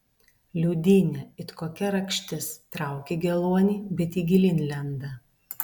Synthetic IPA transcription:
lʲuːd̪ʲɪːnʲɛɪt̪koːkʲɛɾɐkʃʲt̪ʲɪst̪ɾɑˑʊkʲeɡʲɛlˠuɔnʲiːbʲɛt̪iːɡʲɪlʲɪnʲlʲɛnd̪ɐ

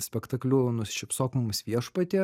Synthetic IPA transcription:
sʲpʲɛkt̪ɐklʲunʊsʃʲɪpsoːkmʊmsʲʋʲiɛʃpɐt̪ʲeː

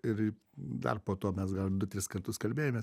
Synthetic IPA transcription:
ɪɾi | d̪ɐ̰rpoːt̪oːmʲɛsɡɐlˠd̪ʊt̪ʲɾʲɪskɐrt̪ʊskɐlʲbʲeːjoːmʲeːs

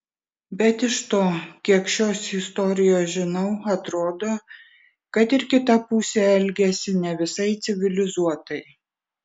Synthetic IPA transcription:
bʲɛt̪ɪʃt̪oːkʲiɛkʃʲoːsɪst̪ɔɾʲɪjoːʒʲɪnɐʊɐt̪ɾoːd̪oː | kɐt̪ɪɾkʲɪt̪ɐpuːsʲɛːɛlʲɡʲɛsʲɪnʲɛʋʲɪsɐɪt̪sʲɪʋʲɪlʲɪzuɔt̪ɐɪ

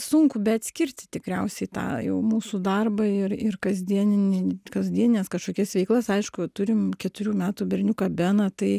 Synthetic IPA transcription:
sʊŋkʊbʲɛɐt̪ʲsʲkʲɪɾʲt̪ʲɪt̪ʲɪkɾʲɛʊsʲɛɪt̪ɑ̰ːjɛ̰ʊmuːsud̪ɐrbɐɪrɪrkɐzʲd̪ʲiɛnʲɪnʲɪkɐzʲd̪ʲiɛnʲɪnʲeːskɐʃkoːkʲɛsʋʲɛɪklˠɐsɐɪʃkʊt̪ʊɾʲɪmkʲɛt̪ʊɾʲuːmʲæːt̪uːbʲɛɾʲnʲuːkɐbʲɛːnɐt̪ɐɪ

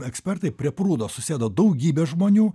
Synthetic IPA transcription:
ɛksʲpʲɛrt̪ɐɪpʲɾʲiɛpɾuːd̪oːsʊsʲeːd̪oːd̪ɐʊɡʲiːbʲeːʒmoːnʲuː

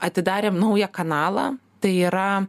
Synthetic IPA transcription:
ɐt̪ʲɪd̪ɑːɾʲeːmnɐʊjɛkɐnɑːlˠɐ̰t̪ɐɪiːɾɐ

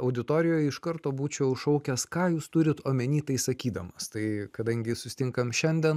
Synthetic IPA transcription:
ɐʊd̪ʲɪt̪oːɾʲɪjoːjɪʃkɐɾt̪oːbuːt͡ʃʲɛʊʃɐʊkʲɛskɑːjuːst̪ʊɾʲɪt̪oːmʲɛnʲiːt̪ɐɪsɐkʲiːd̪ɐmɐst̪ɐɪkɐd̪ɐŋʲɡʲɪsʊsʲɪ̥t̪ʲɪŋkɐmʃʲɛnʲd̪ʲɛn

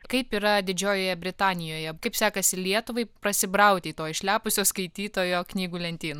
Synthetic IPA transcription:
kɐɪpiːɾɐd̪ʲɪd͡ʒʲoːjoːjɛbʲɾʲɪt̪ɑːnʲɪjoːjɛkɐɪpsʲɑːkɐsʲɪlʲiɛt̪ʊʋɐɪpɾɐsʲɪbɾɐʊt̪ʲeit̪oːɪʃʲlʲæːpʊsʲoːskɐɪt̪ʲiːt̪oːjoːknʲiːɡuːlʲɛnʲt̪ʲiːnː

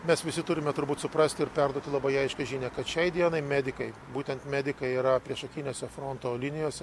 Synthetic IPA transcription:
mʲɛsʋʲɪsʲɪt̪ʊɾʲɪmʲɛt̪ʊɾbuːt̪sʊpɾɐsʲt̪ʲɪɪɾpʲɛɾd̪uɔt̪ʲɪlˠɐbɐɪɐɪʃkʲɛʒʲinʲɛːkɐt̪ʃʲɛɪd̪ʲiɛnɐɪmʲæːd̪ʲɪkɐɪbuːt̪ʲɛnt̪mʲæːd̪ʲɪkɐɪiːɾɐpʲɾʲiɛʃɐkʲinʲoːsʲɛfɾont̪oːlʲɪnʲɪjoːsʲɛ

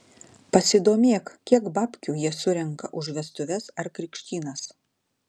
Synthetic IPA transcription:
pɐsʲɪd̪oːmʲeːkkʲiɛkbɑːpʲkʲuːjiɛsʊɾʲɛŋkɐ̰ʔʊʒʋʲɛst̪ʊʋʲɛsɐɾkɾʲɪkʃʲt̪ʲiːnɐs

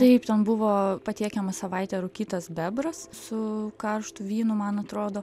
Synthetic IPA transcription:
t̪ɐɪpt̪ʲɛnbʊʋoːpɐt̪ʲiːkʲɛmɐsɐʋɐɪt̪ʲɛɾʊkʲiːt̪ɐsbʲɛbɾɐssʊkɐrʃt̪ʊʋʲiːnʊmɐnɐt̪ɾoːd̪oː

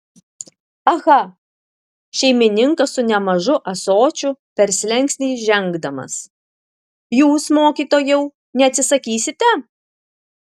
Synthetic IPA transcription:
ɐɣɐ | ʃʲɛɪmʲɪnʲɪŋkɐsʊnʲɛmɐʒʊʔɐsoːt͡ʃʲʊpʲɛɾʲsʲlʲɛŋʲˑksʲnʲɛːʒʲɛŋɡd̪ɐmɐ̰s | juːsmoːkʲiːˑt̪oːjɛʊ | nʲɛɐt̪ʲsʲɪsɐkʲiːsʲɪt̪ʲɛ

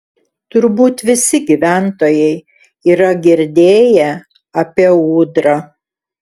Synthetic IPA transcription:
t̪ʊɾbuːt̪ʋʲɪsʲɪɡʲiʋʲæˑnt̪oːjɛɪ | iːɾɐɡʲɪɾʲd̪ʲeːjɛ | ɐpʲiɛuːd̪ɾɐ

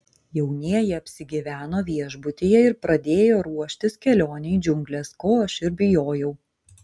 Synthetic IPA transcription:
jɛʊnʲiɛjɛɐpʲsʲɪɡʲɪʋʲæːnoːʋʲiɛʒbʊt̪ʲɪjɛɪɾpɾɐd̪ʲeːjoːɾuɔʃʲt̪ʲɪskʲɛlʲoːnʲɛɪd͡ʒʲʊŋɡlʲeskoːɐʃɪɾbʲɪjoːjɛʊ

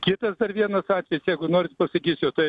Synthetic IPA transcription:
kʲɪt̪ɐsd̪ɐrʋʲiɛnɐsɑːt̪ʲʋʲɛjɪsjɛɪɡʊnoːɾʲɪt̪pɐsɐkʲiːsʲjɛʊt̪ɐɪ

